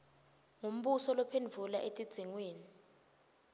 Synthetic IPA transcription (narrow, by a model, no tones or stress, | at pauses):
ŋum̩ɓusɔlɔpʰend͡vʱulaʔetʼid̥z̥ʱiŋweːni